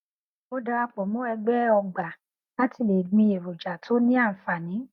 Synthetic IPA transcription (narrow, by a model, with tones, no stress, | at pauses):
o˦da˧ɾa˧k͡pɔ˨mõ˨˦ɛ˧ɡ͡bɛ˦ɔ˧ɡ͡ba˨ | la˦tʰi˧˨le˨ɡ͡bĩ˧e˨ɾo˨d͡ʒa˨tʰo˨˦nĩ˦a˦˨fa˨nĩ˨˦